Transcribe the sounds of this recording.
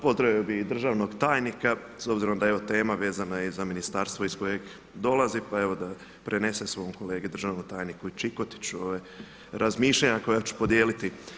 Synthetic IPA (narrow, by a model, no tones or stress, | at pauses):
pozt̪ɾbiobiid̪r̩ʒaːʋno̞ɡt̪aːjnika | so̞bziɾo̞md̪aeʋo̞t̪e̞ːmaʋe̞ːzanajeizaminist̪aːɾst̪ʋoisko̞je̞ɡ | d̪o̞lazipae̞ʋod̪a | pɾe̞ne̞sesʋo̞ːomko̞le̞ːɡed̪ɾr̩ʒaːʋnot̪aːjnikuit͡ʃiko̞t̪i̥t͡ɕuoʋe | ɾʔazmiːʃʎaɲako̞jat͡ɕu̥pod̪jeːlit̪i